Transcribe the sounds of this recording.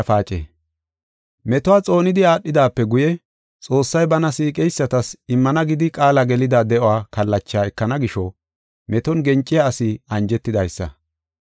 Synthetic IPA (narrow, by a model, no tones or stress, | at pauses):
faːt͡ʃʼḛː | mɛt̪ɔwaːt͡sʼo̞ːnɪd̪ɪaːɗːɪd̪aːpːɛɡʊjɛ | t͡sʼo̞ːsːɐjbɐnɐsiːkʼɛjsːɐt̪ɐsɪmːɐnɐɡɪd̪ɪkʼaːlɐɡɛlɪd̪ad̪ɛʔʊwaːkɐlːɐt͡ʃːaːɛkːɐnɐɡɪʃɔ | mɛt̪ɔnɡɛnt͡ʃʼːɪjaːsɪɐnd͡ʒɛt̪ːɪd̪ɐjsːɐ̰